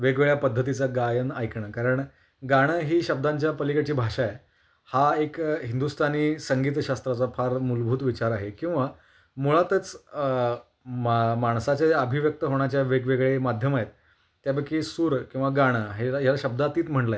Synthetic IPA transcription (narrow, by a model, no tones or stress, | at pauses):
ʋeɡʋeɭjapəd̪ʱːət̪̬it͡saɡajənajkɳakaɾəɳ | ɡaɽ̃əɦiːɕəb̚d̪ãɲt͡ɕjapəlikat͡ɕiːbʱaʂae | haekɦind̪ust̪ʰaniːsəŋɡiːt̪ɕast̪ɾat͡safaɾmulbʱuːt̪ʋit͡ɕaɾaɦekĩw̃ʋa | muɭat̪ət͡s | mmaɳ̃sat͡ɕjaəbʱiʋjək̚t̪əɦoɳ̃jat͡ɕjaʋeɡʋeɡɭemad̪ʱjəmaɦet̪ː | jabəkːisuːɾkĩw̃ʋaɡaɽ̃əɦeajalaɕəb̚d̪at̪iːt̪m̤əɳlae